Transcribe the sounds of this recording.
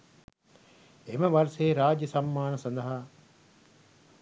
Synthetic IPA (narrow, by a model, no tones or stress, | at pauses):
emɐʋɐɾseːɾaːd͡ʒjɐsɐmːaːnɐsɐnd̪ɐɦa